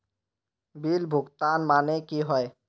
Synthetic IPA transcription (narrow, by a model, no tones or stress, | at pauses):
bilbʱuɡt̪anmanekiɦɔj